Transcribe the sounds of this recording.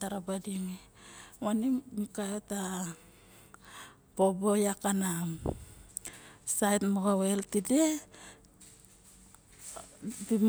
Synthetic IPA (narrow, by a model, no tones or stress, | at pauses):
taɾabadiŋi | wanimikajota | pobojakana | sajtmoɡaweltide | di